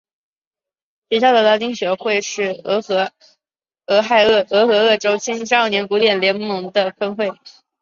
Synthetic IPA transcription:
t͡ɕi˨˩ɕjɑ˥˩d̪ə˨˩lɑ˧˥t͡ɕi˥ŋɕɥɛ˧˥xwe˥˧ɪʂɻ̩˥˩ɤ˧˥xɤ˧˥ | ɤ˧˥xa˥˧ɪɤ˥˧ɤ˧˥xɤ˧˥ɤ˥˩ʈ͡ʂo˥ʊt͡ɕʰi˥n˥ʂ̩˥˩njɛ˧˥nku˧˥t̪jɛ˥˩nljɛ˧˥nmɤ˧˥ŋd̪ə˧fə˥nxwe˥˩ɪ

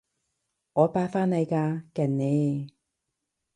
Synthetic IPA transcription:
ŋɔː˨˧paː˧faː˥nːɐ˨˧jkaː˧kɛ˨˩nne˨˧˦j

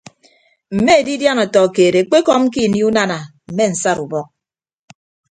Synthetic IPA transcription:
m̩˨me˦e˨di˦dja˦nɔ˨tɔ˨keː˨ɾe˨k͡pe˦kɔ˦m̩˦ki˦˨ni˦u˦na˦na˨m̩˨me˦˨n̩˨sa˦ɾu˨bɔ˦k̚

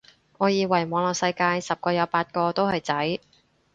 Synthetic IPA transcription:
ŋɔː˨˧jiː˨˧wɐ˨˩jmɔː˨˧ŋlɔː˨k̚sɐ˧jkaː˧jsɐ˨p̚kɔː˧jɐ˨˧wpaː˧t̚kɔː˧t̪o˥whɐ˨jt͡sɐ˨˥j

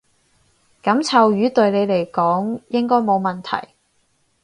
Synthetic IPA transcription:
kɐ˨˥mt͡sʰɐ˨wjyː˨˥t̪ɵ˨˧ɥne˨˧jle˨˩jkɔː˨˥ŋjɪ˥ŋkɔː˥jmo˨˧wmɐ˨nt̪ʰɐ̰˨˩j

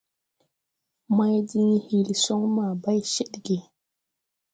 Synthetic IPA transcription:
ma˦jdi˦ŋ˦hi˨li˨so˦ŋma˨ba˦jʃi˦ɗɡe˨

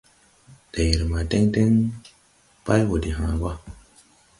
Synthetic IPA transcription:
de˨ji˨ɾma˨de˦ŋte˦ŋ | pa˦jwo˨di˨ɦã˨˦wa˦

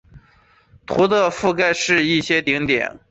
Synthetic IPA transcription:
t̪ʰu˧˥t̪ə˥˧fu˥˧ka˥˧ɪʂɻ̩˥˧i˥˩ɕjɛ˥t̪i˧˥ŋt̪jɛ̰˨˩˦n

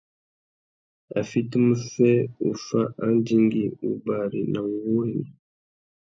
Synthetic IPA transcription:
a̰˨fi˦ti˦mu˦fɛ˦u˨fa˦ʔa˦ndi˦ŋɡi˦u˨ba˨ɾi˨na˨ŋɡu˦ɛ˦nḭ˨

